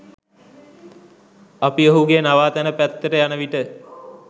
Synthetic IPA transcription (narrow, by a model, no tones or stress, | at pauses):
apiəɦuɡenaʋaːt̪ænəpæt̪ːəʈəjanəʋiʈə